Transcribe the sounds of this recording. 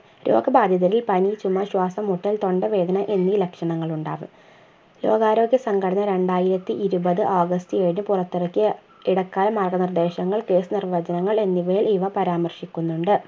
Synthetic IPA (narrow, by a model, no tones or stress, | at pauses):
ɾo̞ːɡɐbaːd̪ʱjɐðɐɾilpɐnit͡ɕumːɐɕwaːsɐmoʈːɐlt̪o̞ɳɖɐʋe̞ːd̪ɐnɐʔe̞nːilɐkʂɐɳɐŋːɐɭuɳɖaːʋɨ̰m | lo̞ːɡaːɾo̞ːɡʲjɐsɐŋɡʱɐɽɐnːɐɾe̞ɳɖaːjiɾɐt̪ːiʔiɾubɐðɨʔaːɡɐst̪ɨeːɻinɨpurɐt̪ːiɽɐkʲːɨ | iɽɐkːaːlɐmɐrɡɐnird̪e̞ːɕɐŋːɐɭke̞ːsɨnirʋɐd͡ʑɐnɐŋːɐɭe̞nːiʋɐjiliʋɐpɐɾaːmɐrʂikʲːunːuɳɖɨ